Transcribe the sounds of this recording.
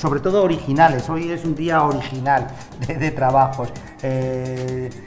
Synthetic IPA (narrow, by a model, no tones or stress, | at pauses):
so̞βɾe̞t̪o̞ð̞oːɾixinale̞so̞je̞sund̪iaoɾixinal | d̪eðe̞t̪ɾaβ̞axo̞s | e